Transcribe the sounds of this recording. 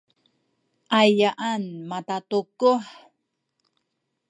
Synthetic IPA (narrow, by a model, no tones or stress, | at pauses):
ʔajaʔanmat̪atukuħ